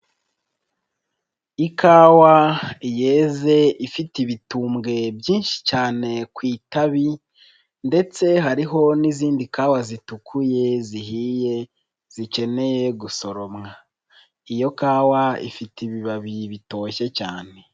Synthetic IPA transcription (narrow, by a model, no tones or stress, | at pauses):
ikʰaːwaijeːze̞ifitiβituːmɡe̞bjiːnʃi̥t͡ʃaːne̞kwiːtaβi | nde̞t͡se̞ɦaɾiɦo̞niziːndikaːwazitukʰuje̞ziɦiːje̞ | z̥ice̞ne̞jeɡuso̞ɾo̞mŋa | ijo̞kaːwaḭfitiβiβaβiβito̞ːʃe̞caːne̞